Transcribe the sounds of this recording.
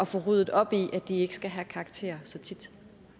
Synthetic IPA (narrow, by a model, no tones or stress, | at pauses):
ɒ̽fɔʁuːð̰ˠð̩ˠɒ̽b̥iʔæd̥ie̝ɡ̥ə̥sɡ̥æɦækʰɑ̈ːɡ̥t͡sʰe̝̰ːɐsɒ̽t͡sʰid̥